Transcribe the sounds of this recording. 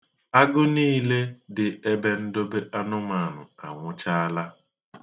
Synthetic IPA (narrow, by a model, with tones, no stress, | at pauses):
a˦ɡʊ˦niː˦le˦dɪ˨e˦be˦n̩˦do˦be˦ʔa˦nʊ˦ma˨nʊ˨a˨ŋʷʊ˦t͡ʃa˦a˦la˦